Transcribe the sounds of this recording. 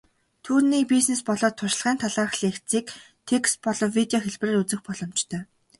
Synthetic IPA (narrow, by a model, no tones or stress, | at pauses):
t̪ʰuːrniːpisnespɔɮɔːt̪ʰːʊʃ̆ɮʁæːnt̪ʰaɮaːrχɮiːxt͡siːk | t̪ʰekst̪̚pɔɮɞ̆mwit̪eɔxeɮpreːrut͡sɘ̆xpɔɮɞ̆mt͡ɕt̪ʰœː